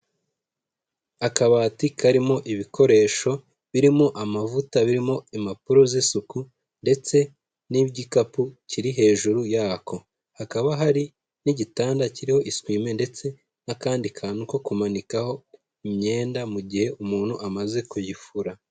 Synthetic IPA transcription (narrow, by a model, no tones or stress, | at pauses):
akaβatikʰaɾimo̞ʔiβiko̞ɾe̞ːʃo̞ | βiɾimoʔamavutaβiɾimo̞imapuɾo̞zesuku | nde̞t͡se̞ | niːbɟikapuciɾiɦe̞ːʒuɾujaːkʰo̞ | hakaβaɦaɾi | niɟitaːndaciɾiho̞ʔiswiːme̞nde̞t͡se̞ | nakaːndikʰaːnuko̞kumanikaho̞ | imɲe̞ːndamuɟihe̞ʔumuːn̥huʔamaze̞kujifuɾa